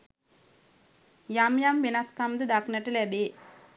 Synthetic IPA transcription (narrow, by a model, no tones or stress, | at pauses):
jaːmjaːmbenaːskaːmd̪ɨd̪aːknɐʈːɯlebeː